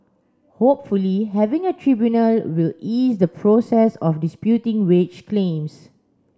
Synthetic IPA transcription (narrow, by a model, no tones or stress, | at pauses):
hop̚fuliɦɛvɪ̃ŋətʰɹibjunəlwilisdəpʰɹosɛsɔfdispjutɪ̃ŋwet͡ʃkʰlẽms